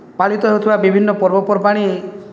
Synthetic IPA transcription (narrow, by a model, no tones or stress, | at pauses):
paɭit̪ɔɦeut̪ʰibabibʱinːɔpɔɾbɔpɔɾpaɽ̃i